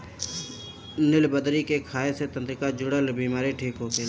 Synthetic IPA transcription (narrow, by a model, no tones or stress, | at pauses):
nɪlbəd̪ɾikekʰaːeset̪ə̃nt̪ɾɪkad͡ʒʊɽəlbiːmaːɾiʈʰiːkɦoːke